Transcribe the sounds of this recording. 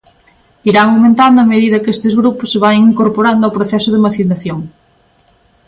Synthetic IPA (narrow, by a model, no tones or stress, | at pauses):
iɾaŋawmẽnt̪and̪ʊɐmeðiðɐkest̪ezɣɾupʊsːeβ̞aŋiŋkoɾpoɾand̪oawpɾoθɛsʊðemaθinaθjoŋ